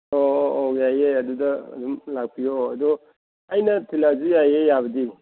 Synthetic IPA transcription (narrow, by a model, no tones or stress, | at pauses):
oːjajeɐdudɐɐ̰dɔmlak̚pʰioɐd̪ɔ | ajnɐtʰilazujajejaβɐdi